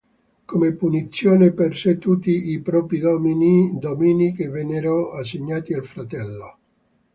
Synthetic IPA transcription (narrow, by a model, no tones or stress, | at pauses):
komepunit̪sːjoːneperset̪ːut̪ːiipɾɔːpid̪ɔminid̪ɔminikevenːɛɾoasːeɲːaːt̪ialfɾat̪ɛlːo